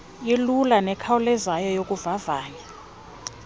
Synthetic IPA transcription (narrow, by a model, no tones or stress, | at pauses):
ilulanɛkʰaulɛzajɔjokʼuvavaːɲa